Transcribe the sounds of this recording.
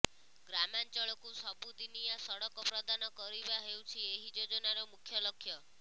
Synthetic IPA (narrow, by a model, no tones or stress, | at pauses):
ɡɾamant͡ʃɔɭɔkusɔbud̪inijasɔɽɔkɔpɾɔd̪anɔkɔɾibaɦewt͡ʃʰieɦid͡ʒod͡ʒɔnaɾɔmukʰjɔlɔkʰːjɔ